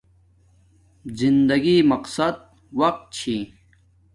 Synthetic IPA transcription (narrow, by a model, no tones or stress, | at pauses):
zind̪ɐɡimɐqsɐd̪̚ | wɐq̚t̪̚t͡ɕʰi